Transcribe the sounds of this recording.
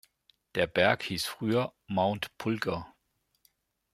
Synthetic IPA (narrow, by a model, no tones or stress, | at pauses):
d̥eɐb̥æɐɡ̥hiːsfʁyːɐmäʊnd̥pʰulɡ̥ɐ